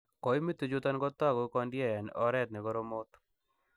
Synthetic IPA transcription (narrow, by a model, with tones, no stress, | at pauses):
kɔ˨jmi˦t̪ːu˨d͡ʒot̪a˦nɡɔt̪ːa˦ɡo˨kɔndjɛnɔ˦ɾɛ˦t̪̚nɛ˨ɡɔɾomo˦t̪